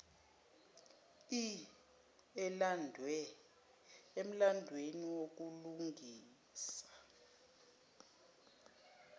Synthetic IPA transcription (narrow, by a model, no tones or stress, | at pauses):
i | ɛlandʱwɛ | em̩landʱweniwok̬uluŋɡʱiː | sḁ